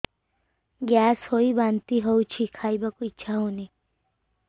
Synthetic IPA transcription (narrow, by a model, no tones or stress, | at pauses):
ɡjaːshoːibaːnt̪iɦout͡ʃʰikʰaːibɐkoit͡ʃʰaɦoːni